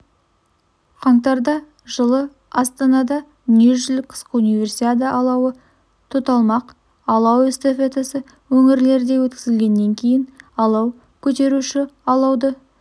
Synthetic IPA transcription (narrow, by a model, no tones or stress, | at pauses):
qʰɑɴt̪ɑɾd̪ɑ | ʒəlˠə | ɑst̪ɑnɑd̪ɑ | neʒʏlɪk̚qʰə̥sqəunijvʲe̞rsit̪ad̪̬əʔɑlˠɑwə | t̪ʰot̪ɑlˠmɑq | ɑlˠɑwest̪efet̪asə | wɵŋɪɾle̞ɾd̪e̞wɵt̪kʲɪzɪlɡʲe̞nːe̞ŋkʲʰe̞jɪnɑlˠɑw | kʲʰɵt̪e̞ɾuʃɪɑlˠɑwd̪ə